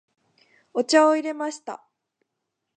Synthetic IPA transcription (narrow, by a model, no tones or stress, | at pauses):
ot͡ɕaoiɾe̞maɕi̥t̪a̰